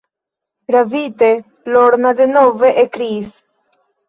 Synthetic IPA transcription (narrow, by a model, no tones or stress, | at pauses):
ɾavit̪e | loɾnad̪enoveʔekɾis